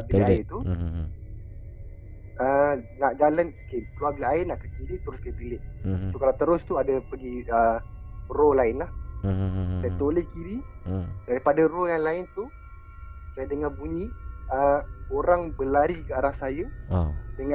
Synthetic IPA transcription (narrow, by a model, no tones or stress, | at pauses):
abaɪt̪u | ənaʔd͡ʒalanokekluaɡaaɪnaʔkət͡ʃiɾit̪əɾʊskəpilɪʔsokalat̪əɾʊst̪uadəpəɡiə | rolaɪnlah | sajət̪olɛhkiɾidaɾipadarojaŋlaɪnt̪u | sajadəŋarbuɲiəoɾaŋbəlaɾikəaɾahsajədəŋa